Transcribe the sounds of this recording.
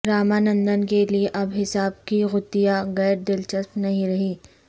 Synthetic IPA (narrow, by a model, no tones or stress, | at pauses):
ɾaːmanɐ̃nd̪ənkelieʔɐbɦɪsaːb̚kiɣʊt̪ːijaɣɛːɾd̪ɪlt͡ʃɐstnɐɦĩɾɐɦiː